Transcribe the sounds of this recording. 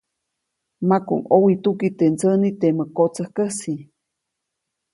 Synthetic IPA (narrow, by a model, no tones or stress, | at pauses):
makṵŋowit̪ukit̪ent͡sənit̪eməkot͡səhkəsi